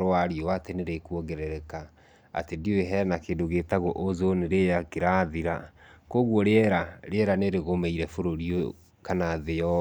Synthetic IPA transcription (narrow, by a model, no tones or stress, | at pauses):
ɾoaɾiɔwateneɾekuɔɣɛɾɛɾɛka | a̰tedioeɦɛnakeːdoɣetaɣoʔozoneɾejakeɾaðiɾakoɣwɔɾeɛɾaɾeɛɾaneɾeɣomeiɾɛfoɾoɾio | kanaðeɔ